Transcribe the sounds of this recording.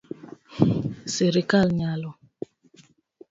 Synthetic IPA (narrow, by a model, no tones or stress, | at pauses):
siɾikalɲalɔ